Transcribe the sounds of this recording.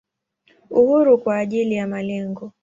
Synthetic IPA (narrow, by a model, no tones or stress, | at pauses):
uhuɾukwaːʄilijamalɛŋɡɔ